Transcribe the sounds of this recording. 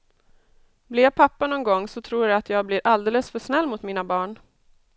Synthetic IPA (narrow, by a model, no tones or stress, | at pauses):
blɪapʰapːanɔnɡɔŋːsɔt̪ʰɾuːjaat̪ʰjɑːɡ̚blɪɾʔald̪eːləsfœʂnɛlːmʊt̪miːnabɑːɳ